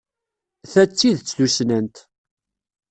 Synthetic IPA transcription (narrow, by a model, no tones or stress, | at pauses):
θæt͡sːiðt͡sːðusnənt̪